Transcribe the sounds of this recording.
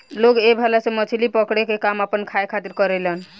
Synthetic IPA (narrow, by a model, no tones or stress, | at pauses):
loɡebʱɛlasẽmət͡ʃʰilipəkɽekekamapənkʰajkʰat̪iɾkəɾelen